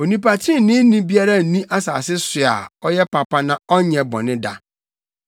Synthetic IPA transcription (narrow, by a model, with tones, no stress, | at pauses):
o˨nĩ˨pa˨tʰĩ˦nɪ̃˦nĩ˦bi˦a˦ɾa˦˨nĩ˦ʔa˦sa̰ː˨sɪ˦sʊ˨a̰˨ɔ˦jɛ˦pʰa˨pa˦nã˨ɔ˦ɲɛ̃˨bɔ̰̃˨nɪ̃˦da˨